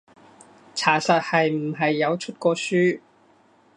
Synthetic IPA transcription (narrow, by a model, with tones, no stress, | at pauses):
t͡sʰaː˨˩sɐː˨t̚hɐ˨jm̩˨˩ɦɐ˨jːɐ˨˧wt͡ʃʰɵ˥t̚kɔː˧syː˥